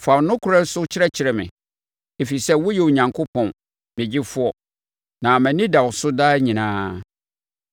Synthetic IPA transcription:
fa˨wnʊ̃˦kʰʊ˨ɾɛ˦sʊ˦t͡ɕʰɪ˦ɾɛ˦t͡ɕʰɪ˨ɾɛ˨mɪ̰̃˨ | e˨fi˨sɛ˦wʊ˦jɛ˨wo˨ɲã˨ŋkʰʊ˦pʰɔ̃˨n | mɪ̃˨d͡ʑɪ˦fʊ˦ɔ˨ | nã˨mæ̃˨nɪ̃˦da˨wʊ˨sʊ˦daː˦ɲĩ˨nãː˦

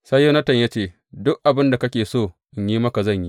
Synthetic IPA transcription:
sɐ˦jːo˦nɐ˦tɐ˨ɲjaː˦t͡ʃeː˦˨ | dʊ˦k̚ʔa˨bɪ˦nda˨kɐ˦kʲeː˨soː˦˨ | ʔɪ˨ɲjiː˦mɐ˦ka˨zɐ˦˨ɲji˦

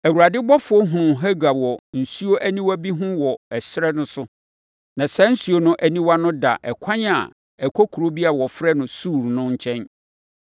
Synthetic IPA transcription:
æ˨wu˨ɾa˨dɪ˦bɔ˦fʊ˦ɔ˦ɦũ˨nʊ̃˨ɦa˦ɡa˨bwɔ˨n̩˨su˦o˦ʔæ˦nĩ˦wa˦bi˦ɦʊ̃˦wɔ˨ɛ˨sɾɛ˦nʊ̃˦sʊ˦ | nã˨sɛ˦n̩˦su˨o˦nʊ̃˦ʔæ˨nĩ˦wa˦nʊ̃˦da̰˨ʔɛ˨kʷʰã˦ɲ˦a̰˨ | ɛ˨kʰɔ˦kʰu˨ɾo˦bi˦a˦˨a˨wɔ˨fɾɛ˦nʊ̃˨suː˦˨ɾnʊ̃˦ɲ̩˦t͡ɕʰɛ̃˦n

